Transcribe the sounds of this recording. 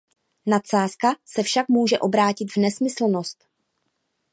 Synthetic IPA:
nat̪saːskasɛfʃakmuːʒɛʔo̞bɾaːcɪt̪vnɛsmɪsl̩no̞st̪

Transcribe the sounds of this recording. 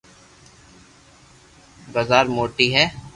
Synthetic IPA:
ɡəzaːɾmoːʈiɦɛː

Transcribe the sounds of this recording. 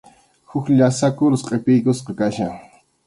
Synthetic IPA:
hʊkʎasakʊɾʊsqʼepɪjkʊsqɑkaʃaŋ

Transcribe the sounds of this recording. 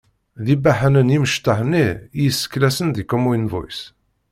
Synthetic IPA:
ðibaħənənjiməʃt̪əhnːijəsːə̥kːlæsənd̪ikəmujnvṵjs

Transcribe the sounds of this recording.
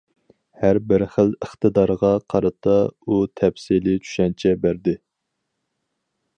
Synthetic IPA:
hæɾbɪɾχələχt̪ɨd̪ɑɾʁɑqʰɑɾɨt̪ʰɑut̪ʰɛpsilɪt͡ʃʰy̥ʃɛnt͡ʃʰɛbæɾd̪ɪ

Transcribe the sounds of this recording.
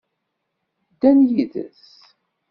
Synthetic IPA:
d̪ːænjiðə̰s

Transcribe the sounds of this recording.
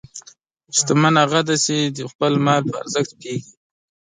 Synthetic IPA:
st̪amanaɣad̪ased̪əxpəlmɑlpəa̰ɾzəxt̪̚peɡi

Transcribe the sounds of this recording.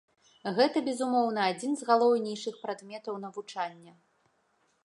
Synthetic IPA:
ɣɛt̪ɐbʲɛzumɔwnɐad͡zʲinzɣalˠɔwnʲɛjʂɨxpɾad̪mʲɛt̪ɐwn̪ɐvut͡ʂanʲːɐ

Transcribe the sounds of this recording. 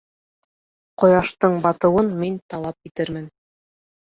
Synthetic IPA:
qŏjɑʃt̪ɤɴbɑt̪ɤ̆wɤnmint̪ɑlˠɑp̚it̪ɘɾmɘn

